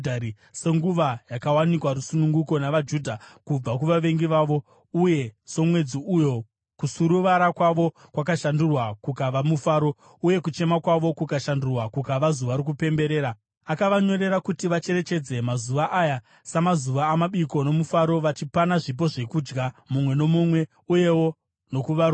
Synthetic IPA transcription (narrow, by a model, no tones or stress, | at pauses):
dʱaɾi | se̞ŋɡuʋajakawanikwaɾusunuŋɡuko̞naʋad͡ʒuːdʱakub͡vak̬uʋaʋe̞ŋɡiʋaːʋo̞ | uje̞so̞mwe̞d͡ziujo̞ | kusuɾuʋaɾakwaʋo̞ | kwakaʃandurwakukaʋamufaːɾo̞ | uje̞kut͡ʃe̞makwaʋo̞kukaʃandurwakukaʋazuʋaɾik̬upe̞mbe̞ɾe̞ːɾa | akaʋaɲo̞ɾe̞ɾakutiʋat͡ʃe̞ɾe̞t͡ʃe̞d͡ze̞mazuʋaʔaja | samazuʋaːmaɓiko̞no̞mufaɾo̞ʋat͡ʃipanaʐip̬o̞ʐe̞kuːd͡ʒɡamumwe̞no̞mumwe̞ | uje̞wo̞ | no̞kuʋaɾo